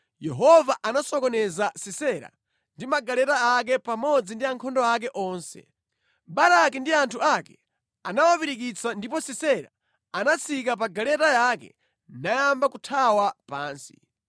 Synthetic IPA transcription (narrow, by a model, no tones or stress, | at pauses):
jɛɦɔvaʔanasɔkɔnɛzasisɛɾa̰ | ndimaɡalɛtaak̬ɛpamɔd͡zindiaŋkʰɔndɔak̬ɛʔɔːnsɛ̰ | baɾakindiantʰuakɛ | anawapiɾikit͡sʰandipɔsisɛɾa̰ | anat͡sʰikap̬aɡalɛtajakɛ̰ | najambakutʰawapaːnsi̥̰